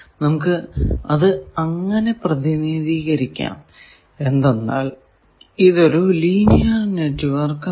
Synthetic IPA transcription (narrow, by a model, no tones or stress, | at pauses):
nɐmukːɨɐðɨɐŋːɐne̞prɐðiniðiːɣɐɾikʲːa̰ːm | e̞nd̪enːa̰ːɭ | iðo̞ɾuliːnijaneʈːʋɐrkː